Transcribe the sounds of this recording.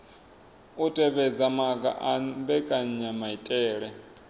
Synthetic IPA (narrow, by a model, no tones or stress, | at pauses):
utʼɛβɛd͡zamakʼa̰ʔabɛkʼaɲamaitʼɛːɺɛ